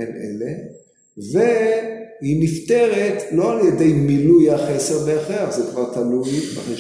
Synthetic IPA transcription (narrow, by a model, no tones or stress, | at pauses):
enʔḛle | vehinifte̞ʁet̪lo̞aljed̪e̞jmilujaχeseʁbeaχeaχzekvaʁt̪alujbaχeʃ